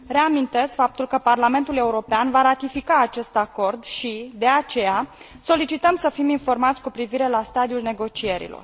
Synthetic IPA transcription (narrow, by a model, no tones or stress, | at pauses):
ɾe̞amint̪e̞skfap̚t̪ulkəparlame̞nt̪ule̞uɾo̞peanvaɾat̪ifikaːt͡ʃe̞st̪ako̞rd̪ʃid̪e̞at͡ʃe̞ja | so̞lit͡ʃit̪əmsəfiminfo̞rmat̪sʲkupɾiviɾe̞last̪ad̪iulne̞ɡo̞t͡ʃie̞ɾḭlo̞̰r